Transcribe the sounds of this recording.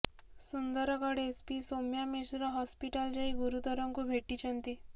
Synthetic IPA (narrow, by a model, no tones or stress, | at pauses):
sund̪ɔɾɔkɔɽeːspisomjamesɾɔɦɔspiʈald͡ʒaiɡuɾut̪ɔɾɔŋkubʱeʈːit͡ʃʰənt̪i